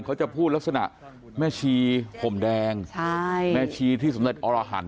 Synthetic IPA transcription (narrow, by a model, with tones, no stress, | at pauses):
ŋkʰa˦˥wt͡ɕa˨˩pʰuː˥˩la˦˥k̚sa˧na̰˨˩ʔ | mɛː˧˥˩t͡ɕʰiː˧pʰo˨˩˦mdɛː˧ŋt͡ɕʰa˥˩jmɛː˧˩t͡ɕʰiː˧t̪ʰiː˥˩sa˩˦mle˨˩t̪ʔɔː˧laː˧ɦa̰˩˦n